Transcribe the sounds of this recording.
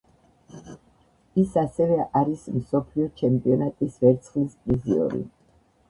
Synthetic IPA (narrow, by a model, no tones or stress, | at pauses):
isasɛvɛʔaɾismsɔpʰliɔt͡ʃʰɛmpʼiɔnat̪ʼisvɛɾt̪sʰχlispʼɾiziɔ̰ɾḭ